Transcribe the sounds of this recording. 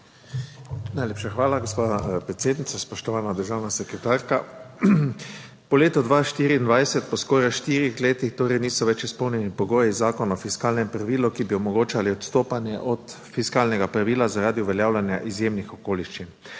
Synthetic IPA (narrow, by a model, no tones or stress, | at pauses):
najleːpʃaxʋaːlaɡospaːpɾet̪seːd̪nit̪saspɔʃt̪ɔʋaːnad̪əɾʒawnasɛkɾɛt̪aːɾka | pɔleːt̪ɔd̪ʋaʃt̪iːɾiːnd̪ʋajsɛt̪̚pɔskɔːɾajʃt̪iːɾixleːt̪ixt̪oːɾɛjniːsɔʋɛt͡ʃispɔwnjɛnipɔɡoːjizaːkɔnɔfiskaːlnɛmpɾaʋiːlɔkibiɔmɔɡoːt͡ʃaliɔt̪st̪oːpanjɛ̰ʔɔt̪ | fiskaːlnɛɡapɾaʋiːlazaɾaːd̪iuʋɛljaːwlʲanjaʔizjeːmnixɔkoːliʃt͡ʃin